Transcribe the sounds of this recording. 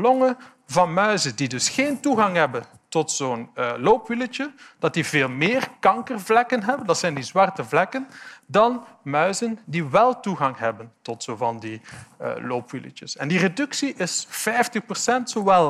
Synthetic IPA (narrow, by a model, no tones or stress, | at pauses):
lɔŋə | vɑnmœɥzəndidɵsxeːntuɣɑŋɦɛbən | tɔtsoːnloːpʋilət͡ʃəd̥ɑt̚diveːlˠmɪːrkɑŋkərvlɛkənɦɛbəndɑtsɛjndizwɑrtəvlɛkəndɑnmœɥzəndiʋɛlˠtuɣɑŋɦɛbəntɔtsovɑndiə̰loːpʋilə̰t͡ʃəsɛndiredɵksiʔɪsfɛjftəxpərsɛntsoʋɛlˠ